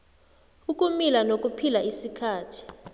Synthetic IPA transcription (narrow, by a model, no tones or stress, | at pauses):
uk̬ʼumilanok̬ʼupʰilaisikʰaːtʰi̥